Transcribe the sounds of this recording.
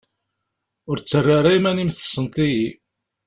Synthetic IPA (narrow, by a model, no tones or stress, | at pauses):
ʊɾt͡sːərːaɾajmænimθə̥sˤːənt̪ˤiji